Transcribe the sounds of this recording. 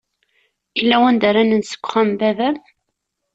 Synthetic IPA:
ilːæwænd̪aɾænənsə̥kʷːχæmbævæm

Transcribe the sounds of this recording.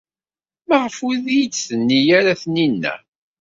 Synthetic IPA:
məʁəfuðjit͡sːθənːijaɾaθninːæ̰

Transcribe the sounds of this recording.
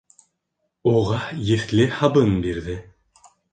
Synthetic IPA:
uʁɑjɘ̆θlɘhɑbɤnbiɾðɘ

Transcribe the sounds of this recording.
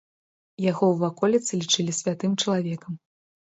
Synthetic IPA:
jaɣɔwvakɔlʲit̪sɨlʲit͡ʂɨlʲisʲvʲat̪ɨmt͡ʂɐlˠavʲɛkɐm

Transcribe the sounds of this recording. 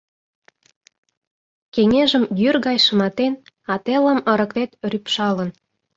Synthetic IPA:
keŋeʒəmjyrɣɑjʃə̆mɑt̪en | ɑt̪elə̆mə̆ɾə̆kvet̪rypʃɑlə̆n

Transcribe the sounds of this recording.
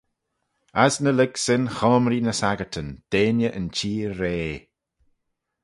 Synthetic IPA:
asnəlɪɡsɪnxɔːmɾinəsaɡətʰənd̪̥eːnjəʔənt͡ʃiːɾeː

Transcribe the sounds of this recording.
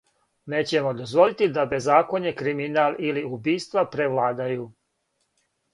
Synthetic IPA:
ne̞ːt͡ɕe̞mo̞d̪ozʋo̞lit̪id̪abe̞zːaːko̞ɲekɾiminaːliliubiːst̪ʋapɾeʋlˠaːd̪ajuː

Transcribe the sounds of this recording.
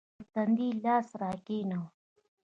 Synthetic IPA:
ɾt̪ɐnd̪iːlaːsɾaːkinow

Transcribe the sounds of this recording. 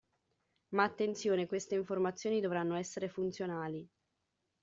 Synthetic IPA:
maːt̪ːent̪sjoːnekwest̪eiɱformat̪sːjoːnid̪ovɾanːoɛsːeɾefunt̪sjonaːli

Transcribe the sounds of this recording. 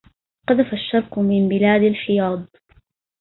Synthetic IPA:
qɑd̪afaʃːɑɾˤqʊmɪmbɪlaːd̪alħɪjɑːd̪̚ˤ

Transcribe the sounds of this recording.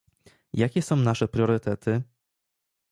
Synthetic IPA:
jakʲɛsɔ̃w̃naʂɛpɾʲjɔɾɘt̪ɛt̪ɘ

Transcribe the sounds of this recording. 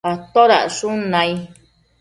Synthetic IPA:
at̪oɾa̰ʂũnãĩ

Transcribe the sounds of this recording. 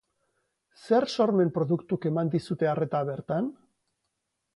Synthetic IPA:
se̞ɾso̞ɾme̞mpɾo̞ðukt̪uke̞mand̪isut̪e̞are̞t̪aβe̞ɾt̪an

